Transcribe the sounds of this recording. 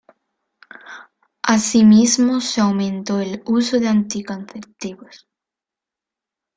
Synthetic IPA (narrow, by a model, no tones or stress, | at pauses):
asimizmoseawmẽnt̪oelusoðeant̪ikõn̟θet̪iβos